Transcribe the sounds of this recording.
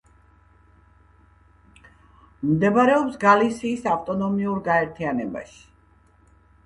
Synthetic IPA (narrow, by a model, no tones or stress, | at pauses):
md̪ɛbaɾɛɔpsɡalisiːsaft̪ʼɔnɔmiuɾɡaɛɾt̪ʰianɛba̰ʃi̥